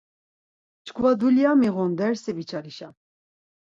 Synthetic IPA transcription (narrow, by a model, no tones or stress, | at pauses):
t͡ʃkʰvad̪uljamiʁɔnd̪ɛɾsɛbit͡ʃʰaɾiʃa